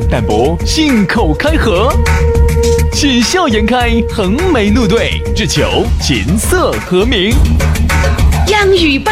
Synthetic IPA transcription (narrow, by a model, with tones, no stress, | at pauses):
t̪a˨˩npwɔ˧˥ | ɕi˥˩nkʰo˨˩ʊkʰa˥ɪxɤ˧˥ | ɕi˥˩nɕjɑ˥˩ʊjɛ˧˥nkʰa˥ɪxə˧˥ŋme˧˥ɪnu˥˧t̪̬we˥˩ɪʈ͡ʂɻ̩˥˩t͡ɕʰjo̰˧˥ʊt͡ɕʰḭ˧˥nsɤ˥˩xɤ˧˥mi˧˥ŋ | jɑ˥˧˩ŋy˨˩p